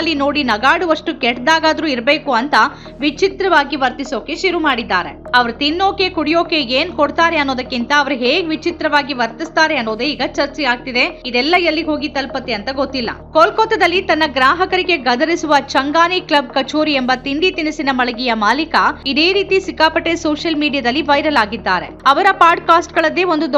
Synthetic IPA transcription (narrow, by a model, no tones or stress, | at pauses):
lːino̞ːɽinɐɡaːɽuʋɐʂʈukɛʈd̪aːɡaːd̪ɐɾuːiɾbeːkuɐnt̪ɐ | ʋit͡ʃit̪ɾɐʋaːɡiʋɐɾt̪iso̞ːke̞ʃuɾumaːɽid̪ːaːɾe̞̰ɐʋɐɾut̪inːoːkekuɽijo̞ːke̞eːnkoɽt̪aːɾeɐnːoːd̪ɐkːint̪ɐːʋɐɾuɦeːɡeʋit͡ʃit̪ɾɐʋaːɡiʋɐɾt̪ist̪aːɾeɐnːoːd̪eiːɡɐt͡ʃɐɾt͡ʃɛaːɡ̚t̪id̪e̞id̪ɛlːɐjɐlːiɦo̞ːɡit̪ɐlpɐt̪iɐnt̪ɐɡot̪ːilːɐ̰kolkoːt̪ːɐd̪ɐlːit̪ɐnːɐɡɾaːɦɐkɐɾiɡe̞ɡɐd̪ɐɾisuʋɐt͡ʃɐŋɡaːniklɐb̚kɐt͡ʃoːɾiembɐt̪ind̪it̪inisinɐmɐɭɐɡijɐmaːlikɐid̪e̞ːɾiːt̪isikːaːpɐʈːesoːʂɐlmiːɖijad̪ɐlːiʋɐjɾɐlaːɡid̪ːaːɾe̞̰ɐʋɐɾɐpaːɾɖkaːsʈɡɐɭɐd̪ːeːond̪ud̪